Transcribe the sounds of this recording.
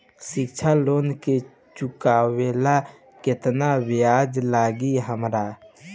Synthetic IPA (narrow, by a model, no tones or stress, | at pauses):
sɪkt͡ʃʰaloːnke | t͡ʃʊkaːwela | kɪt̪nawɪjaːd͡ʒlaːɡiɦəmɾa